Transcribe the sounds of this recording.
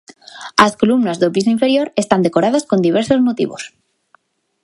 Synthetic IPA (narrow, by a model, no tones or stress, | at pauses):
asko̞lumnazðopis̬oĩɱfe̞ɾjo̞ɾe̞st̪and̪eko̞ɾaðasko̞nd̪iβ̞e̞ɾso̞zmot̪ḭβo̰s